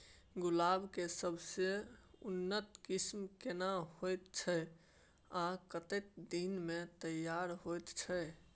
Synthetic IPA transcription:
ɡulabkesəbʱseunːət̪kismkenaɦojt̪t͡ʃʰə | akət̪ek̪̚d̪inmet̪əjːaɾɦojt̪t͡ʃʰə

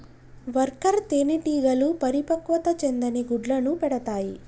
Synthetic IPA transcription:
ʋɐɾkɐɾt̪eːniʈiːɡɐlupɐɾipɐkʋɐt̪ɐt͡ʃend̪ɐniɡuɖlɐnupɛɽɐt̪aːji

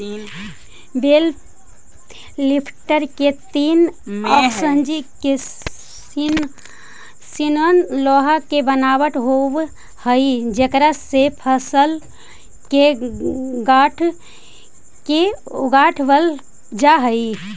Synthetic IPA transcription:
bel | lipʰʈəɾket̪inɔsənd͡ʒike | in | sinənlɔɦakebənabəʈ̪ɦob | həid͡ʒekɾasepʰəsəl | ke | ɡaʈʰ | keɡaʈʰbəl | d͡ʒaɦəi

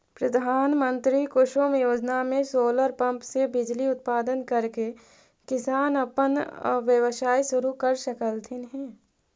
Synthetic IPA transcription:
pɾɐd̪ʱaːnmə̃nt̪ɾikʊʃoːmjoːd͡ʒnamẽsoːləɾpɐ̃mpsebɪd͡ʒliʊt̪̚paːd̪ənkɐɾke | kɪsaːnɐpənʋjəʋʃaːisʊɾukɐɾʃɐkəlt̪ʰinɦɛ̃ː

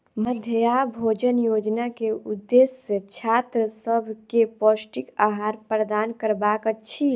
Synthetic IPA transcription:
məd̪ʱəjabʱod͡ʒənjod͡ʒnakeud̪ːeset͡ʃʰat̪ɾəsəbʱkeposʈikaɦaːɾpɾəd̪aːnkəɾbakət͡ʃʰi

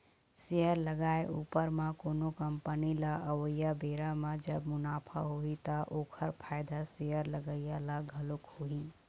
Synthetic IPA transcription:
sejəɾləɡaeʔupəɾmẽkoːnokəmpənilaʔəwəjabeɾamed͡ʒəbmʊnaːpʰa̰ɦoit̪əʔokʰəɾpʰaɪd̪asejəɾləɡəjalaɡʱəlokhoi

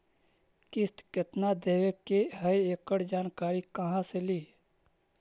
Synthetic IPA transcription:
kɪsʈ̪kɪt̪nad̪eːʋekːeɦəieːkəɽd͡ʒaːnkaːɾikəɦãseliː

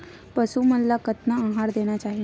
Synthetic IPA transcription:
pəsumənlakət̪nãːɦaɾd̪eɽ̃jat͡ɕaɦi

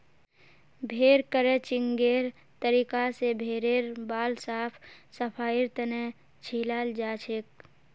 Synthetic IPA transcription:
bʱeːɾkəɾet͡ʃɪŋɡeːɾ | t̪əɾiːkasebʱeːɾeːɾbaːlsaːpʰsəpʰaːiɾt̪əne | t͡ʃʰiːlaːld͡ʒaːt͡ʃʰek̚

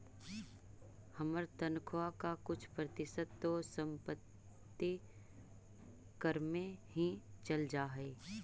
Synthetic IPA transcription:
həməɾt̪ənkʰoakakʊt͡ʃʰpɾət̪ɪʃəd̪ːosə̃mpət̪ː | i | kəɾmẽɦĩt͡ʃɐld͡ʒaːɦɛː

